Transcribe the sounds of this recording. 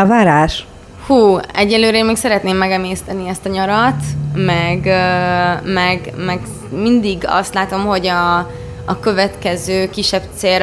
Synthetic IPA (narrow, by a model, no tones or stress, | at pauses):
vaːɾaːʃ | huːɛɟːɛnlːøːɾeːmeːksɛɾɛt̪neːmːɛɡɛmeːst̪ɛniɛst̪ɒɲɒɾɒt̪mɛɡømɛɡmɛɡ | mind̪iɡɒ̰st̪laːt̪o̞mho̞ɟɒː | kø̞vɛt̪kɛzøːkiʃːɛb̚t̪seːɾ